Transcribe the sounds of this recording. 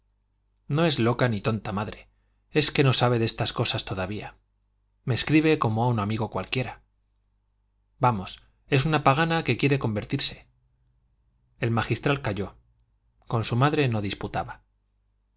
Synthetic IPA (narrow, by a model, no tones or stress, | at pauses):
no̞e̞zlo̞kanit̪o̞nt̪amaðɾe̞ | e̞ske̞no̞saβ̞e̞ðe̞st̪asko̞sast̪o̞ðaβia | meskɾiβ̞e̞ko̞moaunamiɣ̞o̞kwalkje̞ɾa | bamo̞s | e̞s̬unapaɣanake̞kje̞ɾe̞ko̞mbe̞ɾt̪iɾse̞̥ | e̞lmaxist̪ɾalkaʝo̞ | ko̞nsumaðɾe̞no̞ðisput̪aβa